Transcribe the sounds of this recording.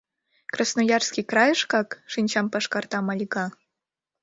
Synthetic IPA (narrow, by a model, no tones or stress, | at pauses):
krɑsnojɑrskʲikrɑjɤ̆ʂkɑkʂɨnʲt͡ɕɑmpɑʂkɑrt̪ɑmɑlʲɡɑ